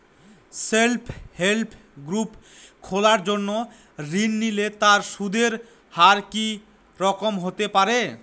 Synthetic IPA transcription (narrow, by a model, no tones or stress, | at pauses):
selpʰhelpʰ | ɡɾupkʰolaɾd͡ʑonːo | ɾinːilet̪aɾʃud̪eɾ | haɾki | ɾɔkomɦot̪epaɾe